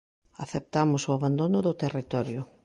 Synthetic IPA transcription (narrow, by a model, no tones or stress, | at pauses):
aθep̚t̪amʊsʊaβand̪onʊðʊt̪erit̪ɔɾjʊ